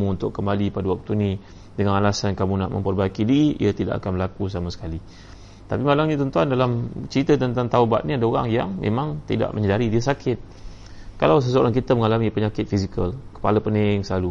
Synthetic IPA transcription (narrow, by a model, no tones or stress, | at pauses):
muunt̪ʊkːəmbalipadawak̚t̪uni | dəŋanalasankamuna̰ʔmʔə̰mpərbaikidiiʔḭət̪ida̰ʔa̰kanbəlakus̬amasə̥kali | t̪apimalaŋɲət̪ɔnt̪uandalamt͡ʃəɾit̪ət̪ənt̪aŋt̪auba̰t̪̚nĩadaoɾa̰ŋjaŋmḛmaŋt̪ḭda̰ʔməɲədaɾidiəsakʰɪt̪̚ | kalaws̬əs̬uaɾaŋkit̪əməŋalamipəɲakɪt̪̚fisikəlkə̥paləpənɪŋsəlalu